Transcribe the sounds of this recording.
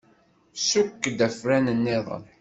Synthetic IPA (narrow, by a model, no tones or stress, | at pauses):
sukːd̪æfɾænənːɪðˤə̰n